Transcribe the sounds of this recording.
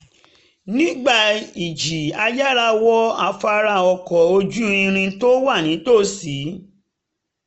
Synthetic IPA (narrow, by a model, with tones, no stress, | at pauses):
nĩ˦ɡ͡ba˦˨i˨d͡ʒi˨a˧ja˦ɾa˧wɔ˦a˨fa˧ɾa˧˨ɔ˧˨kɔ˨o˧d͡ʒu˦ĩ˧ɾ̃ĩ˧to˦wa˦˨nĩ˨˦to˦˨si˨˦